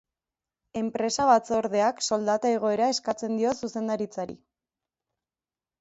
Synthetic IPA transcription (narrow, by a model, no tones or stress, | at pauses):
e̞mpɾe̞saβat͡so̞ɾðe̞akso̞ld̪at̪aeɣ̞o̞e̞ɾae̞skat͡se̞nd̪io̞suse̞nd̪aɾit͡saɾḭ